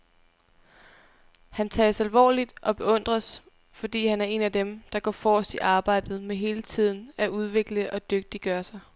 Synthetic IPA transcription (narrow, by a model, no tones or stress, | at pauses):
hænt͡sʰɛːsælʋɒ̰ːlid̥ʔɒ̽b̥e̝ɔ̽n̰d̥ʁɐs | fɒ̽d̥ḭːhænæɐe̝næd̥emd̥ɑ̈ɡ̥ɒ̰ːfɒːsd̥iʔɑ̈ːb̥ɑ̈ɪ̰d̥ð̞̩ˠmeɦe̝ːlət͡sʰið̞̰ˠn̩æʔuð̞ˠʋe̝ɡ̥ləʔɒ̽d̥øɡ̥̚d̥iɡ̥ɶːɐsɑ̈ɪ